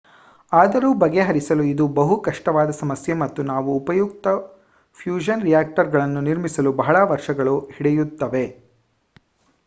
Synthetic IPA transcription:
aːd̪ɐɾuːbɐɡe̞ɦɐɾisɐluid̪ubɐɦukɐʂʈɐʋaːd̪ɐsɐmɐsjemɐt̪ːunaːʋuːpɐjuk̚t̪ɐ | pʰjuːd͡ʒɐnɾijaːk̚ʈɐɾɡɐɭɐnːuniɾmisɐlubɐɦɐɭɐʋɐɾʂɐɡɐɭuhiɽejut̪ːɐʋe̞

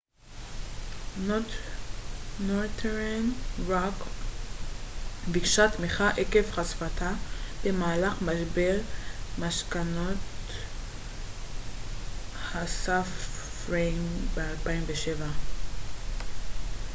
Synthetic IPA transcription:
not | not̪ʰeʁanʁak | bikʃat̪meχaʔekefχasfatʰab̥emaːlaχmaʃbeʁmaʃkanot̪ | hasafʁejmbealpaimveʃeva

